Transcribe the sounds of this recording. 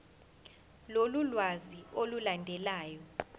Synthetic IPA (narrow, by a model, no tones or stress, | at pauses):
lolulwaziolulandʱɛlaːjɔ